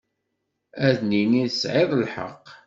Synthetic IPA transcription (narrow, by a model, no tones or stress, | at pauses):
æðniniðəsʕɪðˤlħə̰qː